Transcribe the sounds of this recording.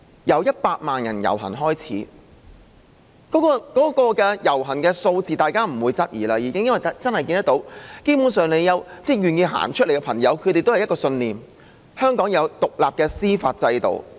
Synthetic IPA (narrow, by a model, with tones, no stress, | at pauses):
jɐ˨˧wjɐ˥t̚paː˧t̚maː˨njɐ˨˩njɐ̰˨˩wɦɐ̰˨˩nɦɔː˥jt͡sʰiː˨˥ | kɔː˨˥kɔː˧kɔː˨˥kɔː˧kɛː˧jɐ˨˩wɦɐ˨˩nkɛː˧so˧wt͡siː˨t̪aː˨jkaː˥m̩˨˩wuː˨˧jt͡sɐ˥t̚jḭː˨˩laː˧jiː˨˧kɪ˥ŋjɐ˥nwɐ˨jt͡sɐ˥nhɐ˨jkiː˧nt̪ɐ˥t̪o˨˧˥wke˥pu˨˧˥nsœː˨ŋne˨˧jːɐ˨˧wt͡sɛː˥jyː˨njiː˧ɦa̰ː˨˩nt͡ʃʰɵ˥t̚le˨˩jkɛ˧pʰɐ˨˩ŋjɐ˨˧wkʰɵ˨˧ɾe˨jt̪o˥hɐ˨jɐ˥kɔː˧sɵ˧nliː˨˩m | hœː˥ŋkɔː˨˥ŋjɐ˨˧wt̪ʊ˨k̚laː˨p̚kɛː˧siː˥faː˧t̚t͡sɐ˧jt̪o̰˨w